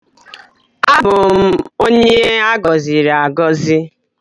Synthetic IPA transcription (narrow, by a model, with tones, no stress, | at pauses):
a˦bʊ˨˦o˦ɲe˦a˦ɡɔ˨zi˨ɾa˨ɡɔ˦zi˦